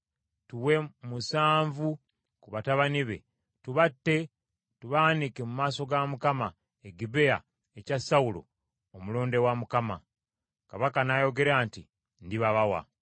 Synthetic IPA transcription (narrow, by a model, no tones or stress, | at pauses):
tuwe̞musaːɱvu | kuβataβaniβe̞̰ | tuβatːe̞ | tuβanikemumaːso̞ɡamukama | eɡibe̞a̰ | ecasawulo̞̰ | omuloːnde̞wamukama | kaβakanajo̞ɡe̞ɾaːnti | ndiβaβawa̰